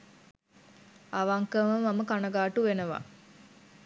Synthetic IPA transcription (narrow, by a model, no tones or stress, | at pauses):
aʋaŋkəməmaməkanɐɡaːʈuʋenəʋa̰